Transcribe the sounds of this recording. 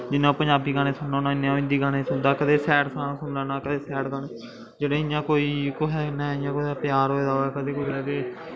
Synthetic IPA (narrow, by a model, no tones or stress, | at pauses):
d͡ʒɪnãːpəɲd͡ʒaːbiːɡaːneːsʊnːaːnãːɪnːeːãːɪ̃nd̪iːɡaːneːsʊnd̪aːkəd̪eːsɛːʈsãːsʊnlaːnaːkəd̪eːsɛːɽɡaːneː | d͡ʒeːɽẽːɪjãːkoːiːkoɦɛːnɛ̃ːɪjãːkoaːpjaːɾɦoːeːd̪aːɛːkəd̪eːkolɛːɡeː